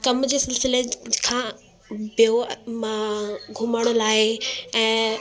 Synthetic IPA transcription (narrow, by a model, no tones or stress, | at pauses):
kɐmd͡ʑeːsɪlsɪlekʰãː | pijo | ɡʱʊməɽ̃laːeɛ̃ː